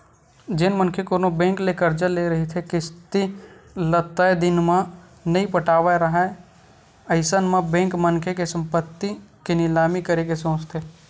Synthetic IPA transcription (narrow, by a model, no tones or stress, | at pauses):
d͡ʒɪnmənkʰekonobẽːŋklekəɾd͡ʒəleɾɐɦit̪ʰekɪst̪ilət̪əed̪ɪnmã | nəɦĩpəʈʰaːʋaɾɐɦa | əɪsənmãbẽːŋkmənkʰekesə̃mpət̪ːikenɪlaːmikəɾekesõːt͡ʃt̪ʰeː